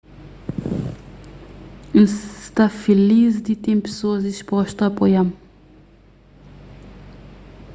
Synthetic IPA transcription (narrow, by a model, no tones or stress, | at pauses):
st̪afilizd̪it̪impsoːziʃpɔʃt̪apojam